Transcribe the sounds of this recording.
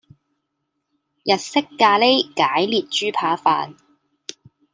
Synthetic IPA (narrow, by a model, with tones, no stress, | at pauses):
jɐ˨t̚sɪ˥kːaː˧le˥jkaː˨˥jliː˨˩t̚t͡ʃyː˥pʰaː˧˥fa̰ː˧n